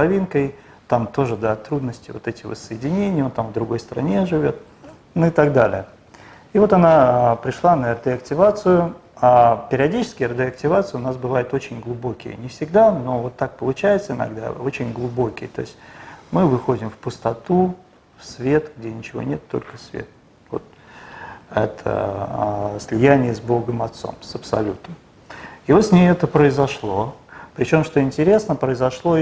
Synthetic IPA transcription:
ɐvʲinkəj | t̪amt̪o̞ʐɨd̪ɐt̪ɾud̪nəsʲtʲɪvo̞t̪ɛtʲɪ̥və̰sːəjɪdʲɪnʲenʲɪjont̪amvd̪ɾʊɡo̞jst̪əɾɐ̰nʲe̞ʐɨvʲo̞t̪̚ | nʊɪt̪aɡd̪alʲɪ̰ə | ivo̞t̪ɐnapɾʲɪʂlˠanərd̪ʲɪɐktʲɪvat̪sɨjʊapʲɪɾʲɪɐdʲit͡ɕɪ̥skʲɪjərdʲɪɐk̚tʲɪvat̪sɨjɪʊnas̬bɨvajɪt̪ot͡ɕɪnʲɡlˠʊbo̞kʲɪ̰jə̰nʲɪfsʲɪɡd̪ano̞vo̞t̪ːak̚pəlˠʊt͡ɕæjɪt̪səɪnɐ̰a̰ɡd̪a̰ot͡ɕɪnʲɡlˠʊbo̞kʲɪjət̪o̞̰ɪsʲtʲmɨvɨxo̞dʲɪmfpʊst̪ɐt̪u | fsvʲe̞t̪ɡdʲenʲɪt͡ɕɪvo̰nʲe̞t̪ːo̞̰lʲkə̥svʲḛt̪̚ | vo̞̰t̪̚ | ɛt̪ʰə̰ | sʲlʲɪjænʲɪjəzbo̞ɡəmɐt̪so̞̰msəpsɐ̰lʲut̪əm | ivo̞t̪sʲnʲejɛt̪əpɾəɪzɐʂlˠo̞pɾʲɪt͡ɕo̞mʂt̪o̞ɪnʲtʲɪɾʲe̞snəpɾəɪzɐʂlˠo̞

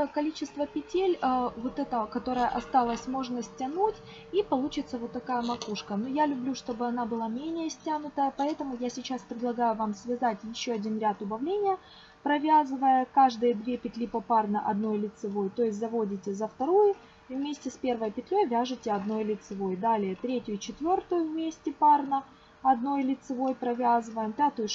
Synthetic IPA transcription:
kɐlʲit͡ɕɪst̪vəpʲɪtʲelʲəvo̞t̪ɛt̪əkɐt̪o̞ɾəjəʔɐst̪alˠəsʲmo̞ʐnəsʲtʲɐnutʲ | ipɐlˠut͡ɕɪt̪səvo̞t̪ːɐkajəmɐkuʂkənujalʲʊblʲuʂt̪o̞bɨɐnabɨlˠamʲenʲɪjəsʲtʲanʊt̪əpɐɛt̪əmʊjasʲɪt͡ɕaspɾʲɪd̪lˠɐɡajʊvamsvʲɪzatʲjɪɕːoɐdʲinɾʲat̪ʊbɐvlʲenʲɪjə | pɾɐvʲazɨvəjəkaʐd̪ɨjəd̪vʲepʲɪt̪lʲipɐparnəʔɐd̪no̞jlʲɪt̪sɨvo̞jt̪o̞ɪs̬ʲtʲzɐvo̞dʲɪtʲɪzəft̪ɐɾojʊ | ivmʲesʲtʲɪsʲpʲe̞rvəjpʲɪt̪ʲlʲojvʲaʐɨtʲɪɐd̪no̞jlʲɪt̪sɨvo̞jd̪alʲɪjət̪ɾʲetʲjʊt͡ɕɪt̪vʲo̞rt̪ʊjʊvmʲesʲtʲɪparnə | ɐd̪no̞jlʲɪt̪sɨvo̞jpɾɐvʲazɨvəjəmpʲat̪ʊjʊ

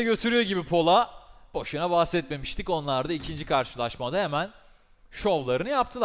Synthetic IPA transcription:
ɟø̞t̪ʰyɾyjo̞ɟibipʰo̞lˠabo̞ʃɯnabahst̪ɛt̪me̞miʃt̪ʰico̞nlˠaɾd̪aicʰind͡ʒikʰaɾʃɯlˠaʃmad̪ahe̞mæn | ʃo̞vlˠaɾɯnɯjap̚t̪ʰɯlˠ

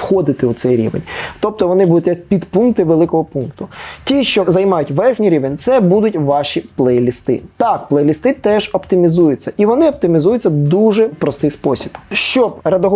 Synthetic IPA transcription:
xɔd̪ɪt̪ɪʊt̪sɛjɾʲḭʋḛnʲt̪ɔp̚t̪ɔʋɔnɪbud̪ʊt̪ʲjɐk̚pʲid̪punk̚t̪ɪʋelˠɪkɔɦɔpunkt̪ʊtʲiʃt͡ʃɔzɐjmɑjʊtʲʋɛrxʲnʲiɾʲiʋenʲt̪sɛbud̪ʊtʲʋɑʃiplˠɛlʲist̪ɪ̰t̪ɑk̚plˠɛlʲist̪ɪt̪ɛʒɔpt̪ɪmʲizujʊt͡sʲːɐʔiʋɔnɪɔp̚t̪ɪmʲizujʊt͡sʲːɐd̪uʒɛpɾɔst̪ɪjspɔsʲib̥ʃt͡ʃɔbɾɐd̪ɔɦ

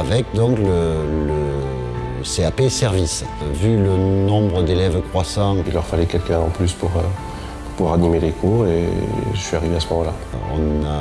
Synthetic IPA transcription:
avɛkd̪ɔ̃klələ | seapesɛʁvis | vylənɔ̃bʁəd̪elɛvkχwasɑ̃ilœʁfalɛkʲɛlkɛ̃ɑ̃plyspuʁø | pu̥ʁpuwaʁanimelekʰuʁeʒəsɥiaʁiveasəmɔmɑ̃la̰ | ɔ̰̃na

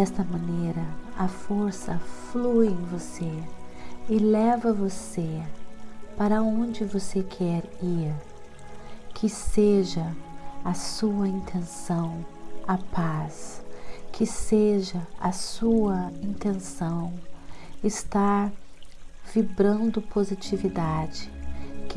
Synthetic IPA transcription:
ɛst̪ɐmɐ̃nejɾɐɐfoɾsɐflujẽj̃vose | ɪlɛvɐvose | paɾɐõd͡ʒɪvosekʰɛɾiɾ | kʰɪseʒɐɐsuɐĩnt̪ʰẽsɐ̃w̃ɐpas | kʰɪseʒɐɐsuɐĩnt̪ẽsɐ̃w̃ | ɪst̪aɾ | v̥ibɾɐ̃nd̪ʊpʰozit͡ʃivid̪ad͡ʒɪk

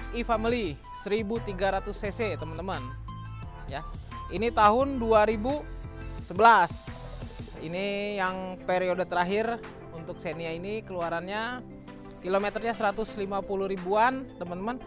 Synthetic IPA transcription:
sifamili | səɾibut̪iɡaɾat̪ʊseset̪əmənt̪əmən | ja | init̪aɦʊnduaɾibusəbəlas | ḭnijaŋpeɾiodt̪əɾaɦɪr | unt̪ʊk̚seniainikəluaɾanɲa | kilomet̪ərɲasəɾat̪ʊslimapuluhɾibuant̪əmənt̪əmən

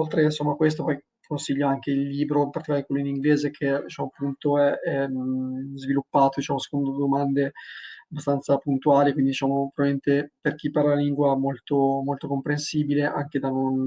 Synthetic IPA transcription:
olt̪ɾensomːakwes̬t̪opɔj | konsiʎːoaŋkeilːiːbɾopart̪ikad̪ikwelːoiniŋɡleːzekʰed̪it͡ʃaːmoapːunt̪oɛɛ | zvilupːaːt̪od̪it͡ʃamose̥kond̪od̪omand̪eabːast̪ant̪sapunt̪uaːlikwind̪id̪it͡ʃaːmopɾoɾement̪eperkipːarelaliŋɡwaɛmolt̪omolt̪okompɾensiːbileʔa̰ŋked̪anon

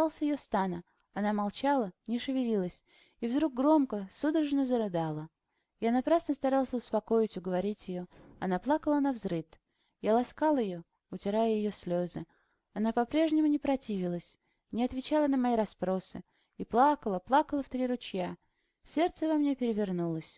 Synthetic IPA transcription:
alˠsʲəjɪjost̪anə | ɐnamalˠt͡ɕalˠənʲɪʂɨvʲɪlʲilˠəsʲ | ivd̪ɾuɡ̚ɡɾo̞mkəsud̪ɾəʐnəzəɾɨd̪alˠə | janɐpɾasnəst̪ɐɾalˠsʲəʊspɐko̞ɪtʲʊɡəvɐɾʲitʲjɪjo̞ɐnaplˠakəlˠənɐvzɾɨt̪ | jalˠɐskalˠəjɪjo̞ | ʊtʲɪɾajəjɪjosʲlʲozɨ | ɐnapɐpɾʲe̞ʐnʲɪmʊnʲɪpɾɐtʲivʲɪlˠəsʲ | nʲɪɐt̪vʲɪt͡ɕalˠənəmɐiɾɐspɾo̞sɨ | iplˠakəlˠəplˠakəlˠəft̪ɾʲiɾʊt͡ɕja | sʲe̞rt̪səvɐmnʲepʲɪɾʲɪvʲɪrnulˠəsʲ

